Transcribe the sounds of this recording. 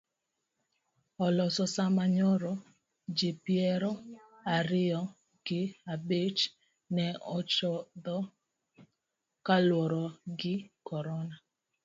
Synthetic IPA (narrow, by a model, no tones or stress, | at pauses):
ɔlɔsɔsamaɲɔɾɔ | d͡ʒepjɛɾɔ | aɾɪɔ | ɡ̥ɪabet͡ʃ | nɛɔt͡ʃɔd̪ɔ | kalwɔɾɔɡɪkɔɾɔna